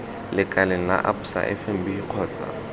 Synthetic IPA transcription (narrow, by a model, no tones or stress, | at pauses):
lɪkʼaleŋ̩na̰ʔapu̥sa̰ʔɛ̰fɛm̩bihiq͡χʰɔːt͡sʼa̰